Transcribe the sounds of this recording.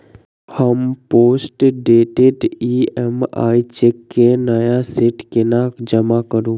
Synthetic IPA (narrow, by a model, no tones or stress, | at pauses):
həmpoːsʈɖeːʈeʈiema̰ːit͡ʃekːenəjasɪʈkenaːkd͡ʒəmakəɾũː